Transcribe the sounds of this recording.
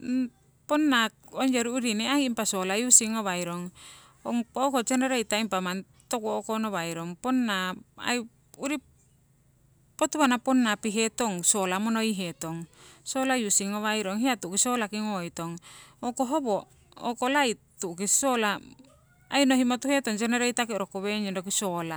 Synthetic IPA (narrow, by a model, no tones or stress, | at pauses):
ponːakond͡ʒoɾuuɾineaiːmpasolajusiŋoβajɾoŋ | o̰ŋpookot͡ʃeneɾeit̪aimpaman | t̪okoːkonoβajɾoŋponːaa̰j | uɾi | pot̪uβanaponːapiɦet̪oŋsolamonoiɦet̪oŋsolajusiŋoβajɾoŋɦiat̪uʔkisolakiŋoit̪oŋokoɦobo | okolait̪ukisola | ajnohimot̪uhet̪oŋt͡ʃeneɾeit̪akiɾokoβeɲendok̬isola